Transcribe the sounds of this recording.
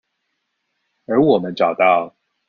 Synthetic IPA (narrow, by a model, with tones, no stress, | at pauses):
ə˞˧˥wɔ˨˩mə˦nʈ͡ʂɑ˨˩ʊt̪ɑ˥ʊ